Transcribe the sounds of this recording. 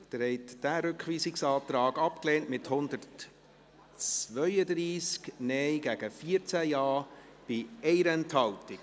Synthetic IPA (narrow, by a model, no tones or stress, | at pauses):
d̥əɾɛɪtd̥æɾʏkχʋiːsɪksɑːt̪ɾɑːɡɑpkleːntmɪthʊnd̪əɾt | t͡sʋœʏəd̪ɾiːsknɛjɡæɡ̥əfiəɾt͡sæjɑː | b̥ɪɛɪɾɛnthɑltɪk